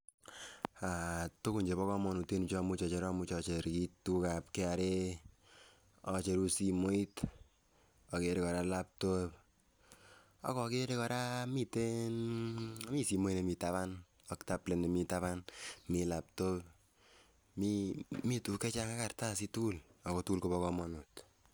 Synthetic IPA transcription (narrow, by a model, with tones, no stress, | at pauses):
a˨to˦ku˨ɲd͡ʒe˨βɔ˦kɔ˦mɔ˦nu˨twe˦nu˨t͡ʃɔ˦mu˦t͡ʃɔ˨t͡ʃe˨ɾɔ˦mu˦t͡ʃɔ˧t͡ʃe˨ɾki˦tu˦ka˨p̚ke˦a˨ɾe˦ | ɔ˨t͡ʃe˨ɾu˦si˧mo˦i˦t | ɔ˨ke˦ɾe˨kɔ˨ɾa˦la˦p̚to˦p | ɔ̰˦kɔ˨ke˦ɾe˦kɔ˨ɾa˦mi˦te˦n˦ | mi˦si˨mo˦i˦ne˨mita˦βa˦n | ɔ˦kta˦ple˨ne˨mi˦ta˦βa˦nmi˦la˨p̚to˦p | mi˦mi˦tu˨ke˦t͡ʃa˦ŋa˦ka˨rta˦s̬i˦tu˦lɔ˨kɔ˨tu˦lko˦pɔ˦kɔmɔ˦nu˨t